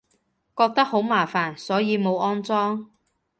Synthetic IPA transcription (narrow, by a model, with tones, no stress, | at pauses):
kɔː˧k̚t̪ɐ˥k̚ho˨˥wmaː˨˩faː˨˩nsɔː˨˥jiː˨˧mo˨˧wʔɔː˥nt͡sɔː˥ŋ